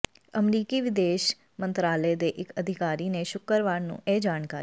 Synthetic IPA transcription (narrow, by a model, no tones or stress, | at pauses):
əmɾiːkiːʋɪd̪eːʃ | mə̃nt̪ɾaːled̪eːʔɪkəd̪ʱɪkaːɾiːneʃʊkəɾʋaːɾnṵ̃ːeːd͡ʒaːnkaː